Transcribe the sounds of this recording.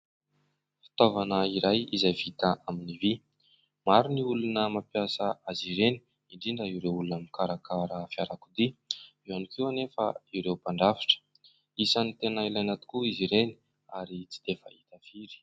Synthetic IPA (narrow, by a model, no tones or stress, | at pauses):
fi̥t̪ovanəiɾajizajvit̪aaminivi | maɾuniulunəmapjasaaziɾeni̥ | iɳɖ͡ʐiɳɖ͡ʐəiwɾewulunaminkaɾakaɾafiaɾakud̪i | ianikiwanefaiwɾewpaɳɖ͡ʐafi̥ʈ͡ʂə̥ | isanit̪enailajnat̪u̥kuiziɾeni̥ | aɾit͡si̥d̪̥efə̰it̪afiɾi̥